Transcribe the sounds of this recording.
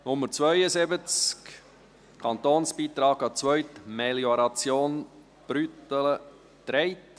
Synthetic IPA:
nʊmːəɾt͡svʋœʏəsɪbət͡sk | kʰɑnt̪oːnsb̥iːt̪ɾɑːɡɑt͡sʋœʏtmɛljɔɾɑt͡sjoːn | b̥ɾyt̪ələ | d̥ɾɛɪt

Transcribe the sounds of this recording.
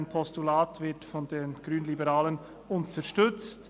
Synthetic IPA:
npʰɔstulaːtvɪtfɔndeːnɡ̥ɾyːnlibəɾaːlən | ʊntʰəʃtʏt͡st

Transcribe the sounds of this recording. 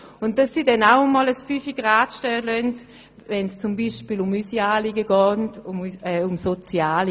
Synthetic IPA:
ʊnt̚d̥asːidɛnaʊmɔləsfyːfiɡʁaːtʃtœːlœnt | ʋɛnst͡sʊmbiʃpiːlʊmysiaːliɡəɡɔːntmɛːʊmsot͡sjaːl

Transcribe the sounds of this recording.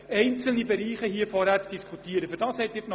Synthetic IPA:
ɛɪnt͡sl̩nibɛɾiːχəɦiəfɔɾhæt͡sd̥iskʰutiːəɾəfʏɾd̥ɑːshɛɪtiːtnɔ

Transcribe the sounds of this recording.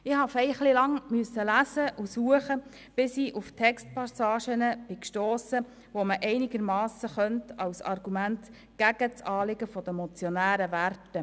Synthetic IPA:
ɪhɑːfɛɪχlɪlɑŋmyəsːəlæsəʔusuəχə | b̥ɪsiʔuftʰɛkst̚pɑsɑːʃənəb̥ɪkʃtoːsə | ʋoməʔɛɪnɪɡəɾmɑːsəχœntɑwsɑ̰rɡ̥umænt | ɡ̥æɡ̥ət͡sɑːlɪɡəfɔd̪əmɔt͡sjɔnæːɾəʋærtə

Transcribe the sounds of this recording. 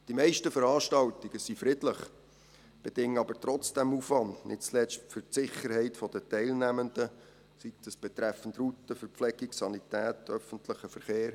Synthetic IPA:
d̥imɛɪʃtəfəɾɑːʃtɑltɪɡ̥əsifɾɪdlɪχ | b̥ɛd̥ɪŋɑbəɾt̪ɾɔt͡sd̥æmuːfʋɑndnʔɪ̰t̚t͡slɛt͡ʃtfʏɾtsɪχəɾhɛɪtfɔd̥ətɛɪlnæmənd̥ə | sit̪əsb̥ɛt̪ɾæfəntrutəfʏɾpflɛɡɪksɑnit̪æːtœfəntləχəfəɾχeːɾ

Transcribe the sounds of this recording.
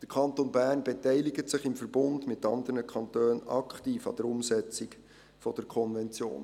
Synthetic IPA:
d̥əɾkʰɑntonbæːɾnbɛtɛɪlɪɡətsɪχɪmfəɾb̥ʊndmɪtɑnd̪əɾnəkχɑnt̪øːnɑ̰kχtiːfɑ̰d̥əɾʊmsɛt͡sɪk | fɔd̥əɾkʰɔnvɛnt͡sjo̰ːn

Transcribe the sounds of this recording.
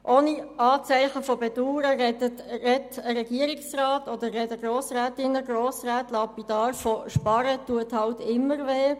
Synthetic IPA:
ʔoːniɑːt͡sæɪχəfɔbɛd̥uːɾəɾɛdərɛtəɾɛɡ̥iəɾɪksrɑːtɔd̥̪əɾːɛdəɡɾoːsɾæːtɪnəɡɾoːsɾæːtlɑpid̥ɑːɾfɔʃpɑɾətuəthɑwtɪmːəɾʋeː

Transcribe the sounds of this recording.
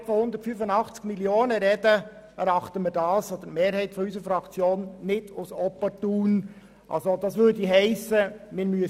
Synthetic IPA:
tfɔhʊnd̪ətfyfənɑχt͡skmiljoːnəɾɛdə | ɛɾɑχt̪əmədɑːsod̪ətmeːɾhɛɪtfɔysəfɾɑkt͡sjoːnːɪdʊsɔpɔtuːn | ʔɑ̰lsod̪ɑsʋøːdiɦɛɪsəmɪːɾmyə

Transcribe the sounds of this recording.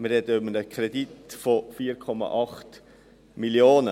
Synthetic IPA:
məɾɛdəʏbənəkʰɾɛditfofiːəɾkʰɔmɑ̰ʔɑχt | miljoːnə

